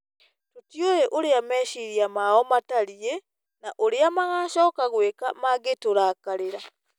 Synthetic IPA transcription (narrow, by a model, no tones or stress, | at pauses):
totjojeʔoɾeamɛːʃiɾiamaɔmataɾie | naʔoɾeamaɣaːʃɔːkaɣwekamaɣetoɾakaɾeɾa